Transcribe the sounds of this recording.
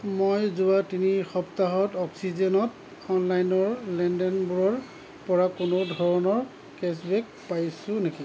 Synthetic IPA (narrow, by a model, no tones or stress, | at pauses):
mojzʊatinixɔptaɦɔtɔksizɛnɔt | ɔnlajnɔɹlɛndɛnbuɹɔɹ | pɔɹakʊnodʱɔɹɔnɔɹ | kɛsbɛk̚ | pajsʊ̃neki